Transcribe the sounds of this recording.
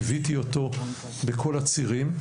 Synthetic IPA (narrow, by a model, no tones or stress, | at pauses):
vit̪io̞t̪o̞ | bekʰo̞lat͡siʁim